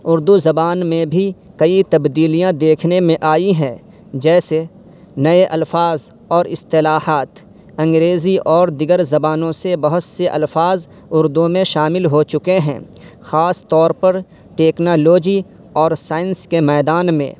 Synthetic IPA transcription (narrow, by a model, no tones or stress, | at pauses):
ʊɾd̪uzɐbaːnmẽbʱi | kɐit̪ɐbd̪iːlijãd̪eːkʰnemẽʔaːiɦɛ̃ | d͡ʒɛːse | nɐeʔɐlfaːz | ɔːɾɪst̪ɪlaːhaːt̪ | ɐ̃ŋɡɾeːziʔɔːɾd̪ɪɡəɾzɐbaːnõsebɐɦʊt̪seʔɐ̰lfaːz | ʊɾd̪umẽʃaːmɪlɦot͡ʃʊkeɦɛ̰̃ː | xaːst̪ɔːɾpɐɾ | ʈeːknoːloːd͡ʒi | ɔːɾsaːɪnskemɛːd̪aːnmḛ̃ː